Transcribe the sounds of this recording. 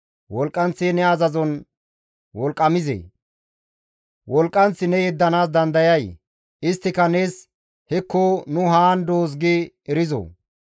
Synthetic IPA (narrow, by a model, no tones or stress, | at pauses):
wɔlkʼːɐnt͡sːenɛɐzɐzɔn | wɔlkʼːɐmɪzḛː | wɔlkʼːɐnt͡sːɪnɛjɛd̪ːɐnaːsd̪ɐnd̪ɐjɐj | ɪst̪ːɪkɐne̞ːs | hɛkʰːonʊɦaːnd̪oːs̬ɡɪ | ɛɾɪzo̰ː